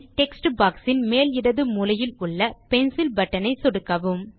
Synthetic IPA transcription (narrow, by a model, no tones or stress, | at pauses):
ʈɛksʈbaːksɪnmeːlɪɽɐðɯmʊlɐjɪlʊɭːɐpɛnsɪlbɐʈːɐnɐɪsɔɽɯkːɐʋɯm